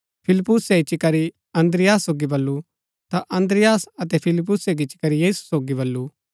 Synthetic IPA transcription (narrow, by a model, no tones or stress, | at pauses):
pʰɪlpːʊsɛit͡ʃikɐɾi | ɐ̃nd̪ɾɪjaːsːoːɡibɐlːu | t̪aʔɐ̃nd̪ɾɪjaːsɐt̪ɛpʰɪlɪp̬ːʊseɡit͡ʃɪ̥kɐɾijiːsu̥soːɡibɐlːu